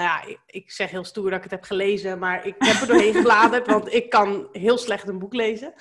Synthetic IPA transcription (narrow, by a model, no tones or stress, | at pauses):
nja | ɪksɛχɦɪːlˠstuːɹdɑtɪkətɦɛpχəlejzəmaːɹɪkɦɛpədoːɹɦejnχəblaːdəɹtʋɑntɪkːɑnɦɪːlˠslɛχtənbuklejzə